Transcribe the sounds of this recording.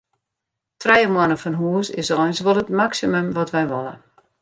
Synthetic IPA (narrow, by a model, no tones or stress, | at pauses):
trɛjəmwɔnəfɔnɦuəsɪ̰sɔnsʋɔlˠətmaksiməmʋɔtʋɛjʋɔlˠə̰